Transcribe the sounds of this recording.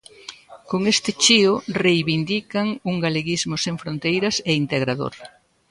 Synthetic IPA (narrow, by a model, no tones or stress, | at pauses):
koŋest̪ɪt͡ʃiʊrejβind̪ikɐŋuŋɡaleɣizmʊseŋfɾont̪ejɾɐsɛint̪eɣɾaðo̰ɾ